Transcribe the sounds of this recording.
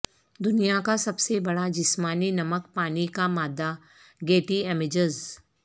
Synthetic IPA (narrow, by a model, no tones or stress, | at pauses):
d̪ʊnijakasɐbsebɐɽad͡ʒɪsmaːninɐməkpaːnikamaːd̪a | ɡeːʈiɛmɪd͡ʒəz